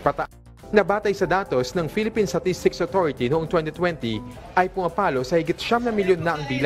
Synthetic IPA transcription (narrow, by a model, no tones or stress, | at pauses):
pɐt̪ɐʔ | nɐbaːt̪ɐjsɐd̪aːt̪o̞snɐŋfilɪpinst̪ɐt̪ist̪ɪksot̪oɹɪt̪inoʔoŋt̪wɛnt̪it̪wɛnt̪iʔɐjpʊmɐpaːlo̞sɐhɪɡɪt̪̚ʃamnɐmɪljonːɐʔɐŋb̪iːl